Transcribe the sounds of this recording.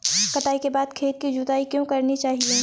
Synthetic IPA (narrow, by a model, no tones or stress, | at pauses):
kɐʈaːikebaːd̪kʰeːt̪̚kid͡ʒʊt̪aːikjõkɐɾnit͡ʃaːɦieː